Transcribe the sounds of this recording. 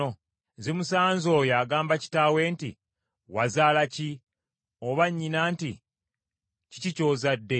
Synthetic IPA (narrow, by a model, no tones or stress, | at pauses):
o | zemusaːɲzoːjaːɡaːmbaci̥taːwe̞ːnti | wa̰zaːlaci | oβaɲːinaːnti | cicico̞ːzadːe̞